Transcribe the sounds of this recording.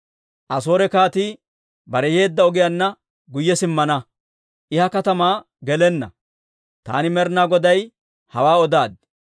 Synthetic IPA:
ʔɐso̞ːɾɛkaːt̪iː | bɐɾɛje̞ːd̪ːɐɔɡɪjɐnːɐ | ɡʊjːɛsɪmːɐnɐ | ʔɪhɐkɐt̪ɐmaː | ɡɛlɛnːɐ̰ | t̪a̰ːnɪmɛɾnaːɡɔd̪ɐj | hɐwaːɔd̪aːd̪̚

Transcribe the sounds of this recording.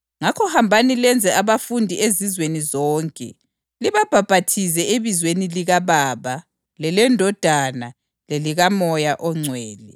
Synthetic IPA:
ŋakʰɔhambʱanilɛnd͡zʱɛaβafundʱiezizwenizɔːŋkʼɛ̰ | liβab̥ʱab̥ʱatʰizɛeβizweniliɣaβaːβa | lɛlɛndʱɔd̥ʱana | leliɣamɔjaʔɔŋ͡ǀʱwɛːlɛ

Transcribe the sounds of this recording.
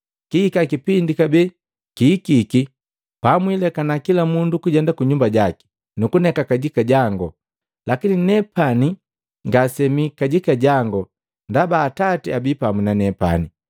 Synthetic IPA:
kiikakipindikabɛ | kiːkiki | pamwilɛkanakilamundukuɟɛndakuɲumbaɟaki̥ | nukunɛkakaɟikaɟaŋɡɔ | lakininɛpani | ŋɡasɛmikaɟikaɟaŋɡɔ | ndabaːtatiabipaminanɛpa̰ni

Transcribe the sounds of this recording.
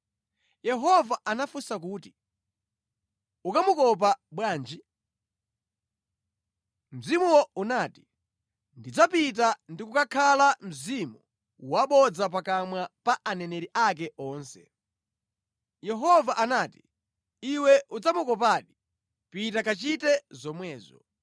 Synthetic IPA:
jɛɦɔvaʔanafusak̬uːti̥ | ukamukɔp̬aɓwaːnd͡ʒi | m̩zimuwɔunaːti̥ | ndid͡zapit̬andikukakʰalam̩zimu | waɓɔd͡zap̬akamwapaʔanɛnɛɾiʔak̬ɛɔːnsɛ̰ | jɛɦɔvaʔanaːti̥ | iwɛʔud͡zamukɔp̬aːɗi | pitakat͡ʃitɛzɔmwɛːzɔ̰

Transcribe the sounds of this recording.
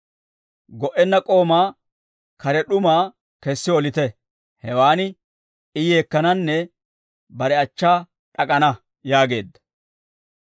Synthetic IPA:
ɡɔʔɛnːɐkʼo̞ːmaː | kɐɾɛɗʊmaː | kɛsːɪɔlɪt̪ɛ | hɛwaːnɪ | ɪjeːkːɐnɐnːɛ | bɐɾɛɐt͡ʃːaː | ᶑɐkʼɐnɐ | jaːɡe̞ːd̪ːɐ̥

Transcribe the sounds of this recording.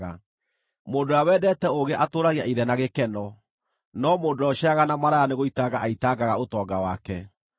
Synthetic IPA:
a | moːndoawɛːdɛtɛoɣeʔatoːɾaɣiaʔiðɛnaɣekɛnɔ | nɔmoːdoɔʃaɣanamaɾaɣaneɣoitaɡaʔaitaɡaɣaotɔːɡawakɛ

